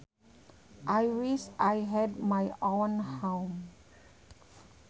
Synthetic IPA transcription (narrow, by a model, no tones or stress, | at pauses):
ʔajwisʔajɦɛd̚majʔõnhãwm